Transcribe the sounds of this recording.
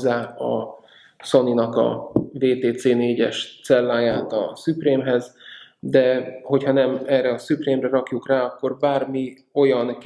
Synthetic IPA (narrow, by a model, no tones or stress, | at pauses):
zːaːɒ̰ | so̞ninɒkɒ̰veːt̪eːt̪seːneːɟɛʃt̪sɛlːaːjaːt̪ɒ̰sypreːmɦɛz | d̪ɛho̞chɒnɛmɛrɛɒsypreːmrɛɾɒkjukraːɒkːo̞rbaːrmi | o̞jɒn